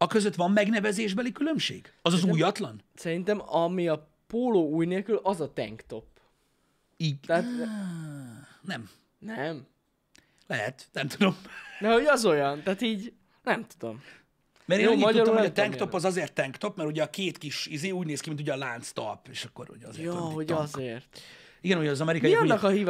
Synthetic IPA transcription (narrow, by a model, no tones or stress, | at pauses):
ɒkøzøt̪ʋɒmːɛɡnɛvɛzeːʒbɛlikylø̞mʃḛːɡɒzɒzuːjɒt̪lɒnsɛɾint̪ɛmɒmiɒ | poːloːuːjneːlkylʔɒzɒt̪ɛ̰ŋkt̪o̞p | iːɟt̪ɛːt̪ | nɛm | nɛm | lɛɦɛt̪nɛmt̪ud̪o̞mnɛho̞ɟɒzo̞jɒnt̪aːt̪iːɟ | nɛmt̪ud̪o̞̰m | mɛɾeːjoːimɒɟ̪tɒɾuloɛt̪ɛŋk̪o̞pːɒzɒzeːrt̪ːɛŋkt̪o̞pmɛɾhuɟɛːkeːt̪kiʃizeːuːɟneːskimint̪uɟɛːlaːnt̪st̪ɒ̰peːʃɒkːo̰ɾo̰ɒ̰zḛːjoɦo̞ɟɒzeːrt̪ | iɡɛnujɛːzɒmɛɾikmɒiɒnːɒkɒɦiːv